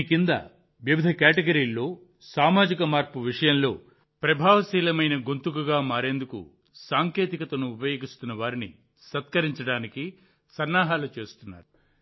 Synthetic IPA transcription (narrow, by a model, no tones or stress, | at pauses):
kind̪ɐ̰ | ʋjɐʋid̪ʱɐkaːʈeɡɐɾiːlːo̞ː | saːmaːd͡ʒikɐmaːɾpuʋiʂɐjɐnlo̞ː | pɾɐbʱaːʋɐsiːlɐmɐjnɐɡont̪ukuɡaːmaːɾe̞ːnd̪ukṵ | saːŋke̞ːt̪ikɐt̪ɐnuːpɐjo̞ːɡist̪unːɐʋaːɾini | sɐt̪kɐɾiɲt͡ʃɐɽaːniki | sɐnːaːɦaːlut͡ʃe̞ːst̪unːa̰ːɾu